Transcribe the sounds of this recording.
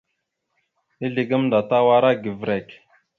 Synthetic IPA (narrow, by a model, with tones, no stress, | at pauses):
ni˦ɮi˨ɡə˦mnda˨ta˦wa˦ɾa˦ɡi˨vɾe˨k